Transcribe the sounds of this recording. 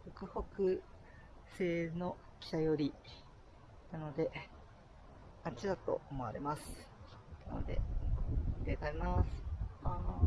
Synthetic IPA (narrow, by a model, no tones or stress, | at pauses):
ɾokɯ̟ho̞kɯ̟ | se̞ːno̞ | kʲi̥t̪ajo̞ɾʲi | nano̞d̪e̞ | at͡ɕid̪at̪o̞̰omoa̰ɾe̞̰masɨ̥ | na̰no̞̰d̪e̞̰ | d̪et̪aimasɨ̥